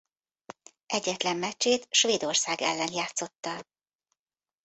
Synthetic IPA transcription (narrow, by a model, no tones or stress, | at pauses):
ʔɛɟːɛt̪lɛmːɛt͡ʃːeːt̪ʃʋeːd̪o̞rsaːɡɛ̰lːɛnjaːt̪so̞t̪ːɒ